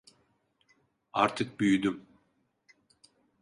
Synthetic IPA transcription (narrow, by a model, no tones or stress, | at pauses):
a̰ɾt̪ʰɯk̚byjyd̪ym